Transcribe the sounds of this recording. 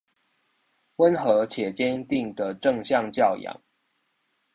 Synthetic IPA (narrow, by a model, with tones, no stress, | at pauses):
wə˦nxɤ˨˧˥t͡ɕʰjɛ˨˩t͡ɕjɛ˦nt̪i˥˨˩ŋd̪ə˨ʈ͡ʂɤ˥˨˧ŋɕjɑ˥˧ŋt͡ɕjɑ˥˨ʊjɑ̰˨˦ŋ